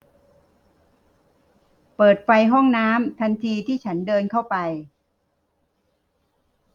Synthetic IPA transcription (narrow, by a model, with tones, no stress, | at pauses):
pɤː˨˩t̪̚fa˧jɦɔ˥˩ŋnaː˦˥mt̪ʰa˧nt̪ʰiː˧t̪ʰiː˥˩t͡ɕʰa˦˥ndɤː˧nkʰa˥˩wpa˧j